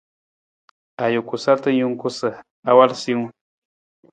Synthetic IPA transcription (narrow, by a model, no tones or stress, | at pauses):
ajʊkʊsat̪ajʊŋkʊsa | awalsiŋ